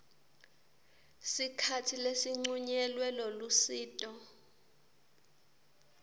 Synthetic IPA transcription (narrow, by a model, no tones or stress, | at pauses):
sikʰatʰilesiŋ͡ǀuɲɛlwɛlɔlusiːtʼɔ